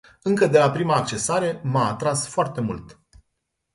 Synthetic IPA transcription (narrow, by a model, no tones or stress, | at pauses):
ɨŋkəd̪e̞lapɾimaːk̚t͡ʃe̞saɾe̞maːt̪ɾasfoart̪e̞mṵlt̪